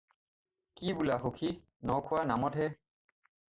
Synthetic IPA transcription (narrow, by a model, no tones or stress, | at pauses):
kibulaɦokʰi | nɔkʰʊanamɔtɦɛ